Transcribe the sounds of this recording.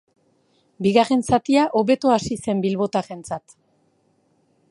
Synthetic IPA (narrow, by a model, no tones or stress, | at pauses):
biɣare̞nsat̪iaʔoβe̞t̪oasise̞mbilβo̞t̪are̞nt͡sat̪